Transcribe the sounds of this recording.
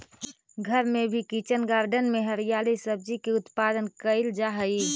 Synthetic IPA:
ɡʱəɾmẽbʱikit͡ʃənɡaːɾɖənmeɦəɾijaːlisəb̚d͡ʒikiʊt̪paːd̪ənkəɪld͡ʒaɦəi

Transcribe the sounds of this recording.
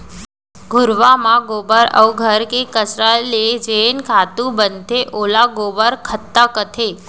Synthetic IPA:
ɡʱʊɾʋamãɡobəɾə̰wɡʱəɾkekət͡ʃɾaled͡ʒenkʰat̪ũbənt̪ʰeʔolaɡobəɾkʰət̪ːakət̪ʰe

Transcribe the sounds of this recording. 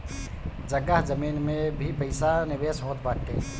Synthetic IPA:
d͡ʒəɡaɦd͡ʒəmiːnmẽbʱipəɪsanɪʋeːsɦoːt̪baːʈʈːḛː

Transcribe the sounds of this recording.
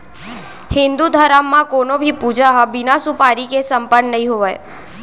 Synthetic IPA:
hɪ̃nd̪ud̪ʱəɾamːãkonobʱipud͡ʒaɦəbɪnasupaɾikesəmpənnəɦĩɦoʋaj

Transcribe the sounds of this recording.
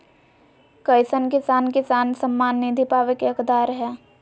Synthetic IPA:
kəɪsənkɪsaːnkɪsaːnsəmːaːnːid̪ʱipaːʋekeɐkd̪aːɾɦɛː

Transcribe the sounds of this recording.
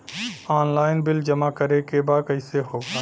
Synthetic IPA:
aːnlaːɪnbɪld͡ʒəmakəɾekebaːkəɪseɦoːɡaː

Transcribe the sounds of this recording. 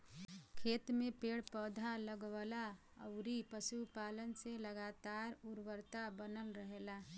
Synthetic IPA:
kʰeːt̪mẽpeːɽpɔːd̪ʱaləɡwala | ə̰ʊɾipəʃupaːlənseləɡaːt̪aːɾʊɾwəɾt̪abənəlɾəɦelaː

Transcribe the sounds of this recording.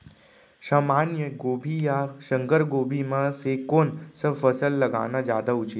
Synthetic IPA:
ʃaːmaːnjəɡoːbʱijaʃə̃ŋkəɾɡoːbʱimãsekoːnsəbfɐsəlːɐɡa̰ːnad͡ʒja̰ːd̪aʊt͡ʃi

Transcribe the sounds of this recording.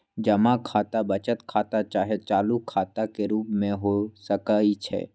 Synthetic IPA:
d͡ʒɐmakʰaːt̪abət͡ʃət̪kʰaːt̪at͡ʃaːɦet͡ʃaːlukʰaːt̪akeɾuːpmẽɦosəkait͡ʃʰɛ̰ː

